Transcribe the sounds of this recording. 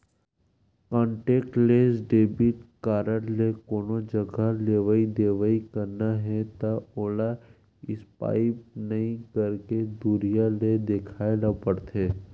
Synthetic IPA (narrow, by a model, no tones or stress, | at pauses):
kãːɳʈeːk̚ʈleːsɖeːbiʈkaːɾəɽlekoːnod͡ʒəɡʱaleːʋaid̪eːʋəikəɾnaɦɛt̪aoːla | ɪspa̰ːɪp̚nɐɦĩkəɾked̪uɾijaled̪ekʰaːelapəɽt̪eː